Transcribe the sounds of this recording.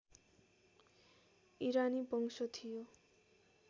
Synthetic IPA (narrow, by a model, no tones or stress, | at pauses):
iɾanipʌŋsɔt̪ʰijo